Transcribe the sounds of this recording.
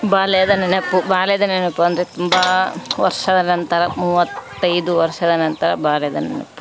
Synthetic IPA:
baːlɛjɐd̪ɐnɐnɐpːubaːlɛjɐd̪ɐnɐnɐpːuɐnd̪ɐɾet̪umbɐʋɐ̰ɾʂɐd̪ɐnɐnt̪ɐɾɐmuːʋɐt̪ːɐjd̪uʋɐɾʂɐd̪ɐnɐnt̪ɐɾɐ̰baːlɛjɐd̪ɐnɐ̰nɐ̰pːu̥

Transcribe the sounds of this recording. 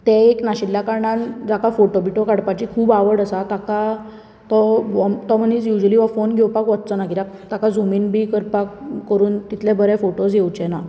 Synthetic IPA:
t̪ɛ̃eknaɕilːjakaɾɳand͡zakafoʈobiʈokaɽpat͡ɕikʰuːbaʋəɽəsat̪aka | t̪ɔʋɔmt̪ɔm̤ənit͡sjud͡ʑəliʋafonɡʱewpakʋɔt̪̚t͡sənakit̪ak̚ | t̪akad͡zuminbikəɾpakːəɾuːnt̪it̪ʰlɛ̃bəɾɛfoʈosjewt͡ɕɛna

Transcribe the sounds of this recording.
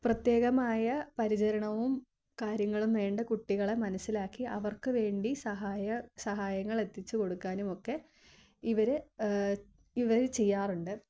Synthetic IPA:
prɐt̪je̞ːɣɐmaːjɐpɐɾit͡ɕɐɾɐɳɐʋum | kaːɾjɐŋːɐɭumʋe̞ːɳɖɨkuʈːiɣɐɭe̞mɐnɐsːilaːkːiʔɐʋɐrkɨʋe̞ːɳɖisɐɦaːjɐsɐɦaːjɐŋːɐɭe̞t̪ːit͡ɕːɨko̞ɽukːaːnumo̞kːe̞ | iʋɐɾɨ | iʋɐɾt͡ɕe̞jːaːruɳɖɨ

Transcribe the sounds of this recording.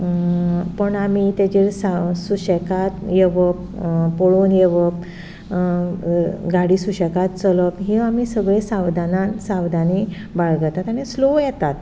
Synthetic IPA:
pəɳamit̪ed͡ʑesasuɕəkat̪jeʋəp | poɭunjeʋəp̚ | ɡaɽiːsuɕəkat̪t͡sələpɦiamisəɡɭesawd̪anansaʋd̪ani | baɭɡət̪at̪aɽ̃islojɛt̪at̪

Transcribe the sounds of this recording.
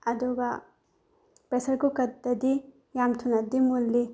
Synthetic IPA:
ɐd̪ɔɡɐ | pɾesɐɾkukɐt̪ːɐd̪i | jamt̪ʰunɐd̪imulːi

